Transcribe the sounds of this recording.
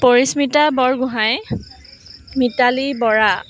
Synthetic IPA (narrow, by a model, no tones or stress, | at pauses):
poɹismitabɔɹɡʊɦaj | mitalibɔɹa